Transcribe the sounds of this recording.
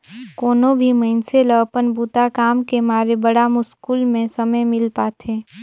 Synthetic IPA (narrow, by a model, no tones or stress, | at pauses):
koːnobʱimə̃ɪnseləpənbuːt̪akaːmkemaːɾebəɽamʊskuːlmẽsɐməjmɪlpaːt̪ʰeː